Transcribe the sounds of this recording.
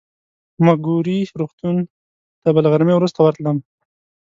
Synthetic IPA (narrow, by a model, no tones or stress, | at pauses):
maɡuɾiɾoxt̪un | t̪abəlɣaɾmewɾust̪awaɾt̪ləm